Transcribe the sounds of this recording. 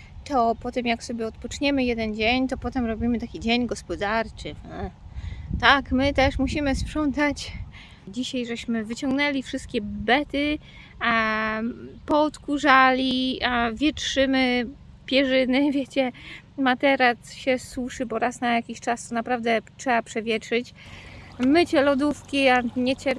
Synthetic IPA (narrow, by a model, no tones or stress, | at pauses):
t̪ɔpɔt̪ɛmjaksɔbʲjɛɔt̪pɔt͡ʂɲɛmɘjɛd̪ɛnd͡ʑeɲt̪ɔpɔt̪ɛmɾɔbʲimɘt̪akʲid͡ʑeɲɡɔspɔd̪aɾt͡ʂɘ | t̪akmɘt̪ɛʂmuɕimɘspʂɔnt̪at͡ɕ | d͡ʑiɕajʐɛɕmɘvɘt͡ɕɔŋɡnɛlʲifʂɘst̪̚kʲɛbɛt̪ɘ | pɔt̪kuʐalʲivʲjɛtʂɘmɘ | pʲjɛʐɘnɘvʲjet͡ɕɛ | mat̪ɛɾat̪ɕɛswuʂɘbɔɾasnajakʲiɕt͡ʂast̪ɔnapɾavd̪ɛtʂɛbapʂɛvʲjɛtʂɘt͡ɕ | mɘt͡ɕɛlɔd̪ufkʲiaɲɛt͡ɕɛɾ